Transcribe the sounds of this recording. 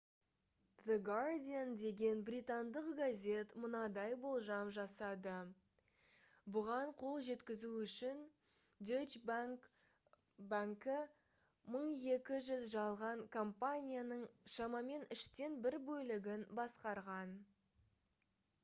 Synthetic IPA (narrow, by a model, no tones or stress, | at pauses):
ðəɡard̪ʲijand̪e̞ɡʲe̞nbrijt̪and̪əqɡazʲe̞t̪mʊnɑd̪ɑjbo̞lˠʒɑmʒɑsɑd̪ə | bʊʁɑɴqʰo̞lˠʒe̞t̪kʲɪzuʏʃɪn | d̪et͡ʃ | baŋkɪ | məɴje̞kʲɪʒʏzʒɑlˠʁɑɴkʰompanʲijanəɴʃɑmɑme̞nɪʃt̪e̞nbɪɾbɵlɪɡʲɪnbɑsqɑɾʁɑn